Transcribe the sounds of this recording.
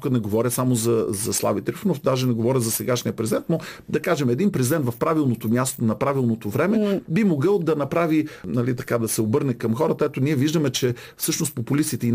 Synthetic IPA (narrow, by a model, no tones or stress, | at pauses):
kət̪nɛɡovɔɾʲəsamozɐzɐslˠa̰vit̪ɾifnofd̪aʒɛnɛɡovɔɾʲəzɐsɛɡaʃniəpɾɛzʲid̪ɛnt̪̚nod̪ɐkaʒɛmɛd̪inpɾɛzid̪ɛnt̪vɐfpɾavilˠnot̪omʲjast̪onɐpɾavilˠnot̪ovɾɛmɛbimoɡɤlˠd̪ɐnɐpɾavinɐlit̪ɐkad̪ɐsɛobɤɾnɛkɐmxɔɾət̪ɐɛt̪oniɛviʒd̪əmɛt͡ʃɛ | fsɤʃnost̪populist̪it̪ɛi